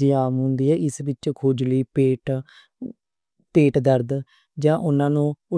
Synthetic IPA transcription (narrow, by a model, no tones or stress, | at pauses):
iːaːmɦʊ̃nd̪iːɦɛːʔɪsbɪt͡ʃkʰoːd͡ʒləiːpeːʈ | t̪eːʈd̪əɾd̪ | d͡ʒãːʔʊnãːnũːʊ